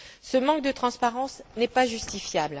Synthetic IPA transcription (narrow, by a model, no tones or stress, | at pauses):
səmɑ̃k̚d̪ət̪χɑ̃spaʁɑ̃snɛpaʒyst̪ifjabl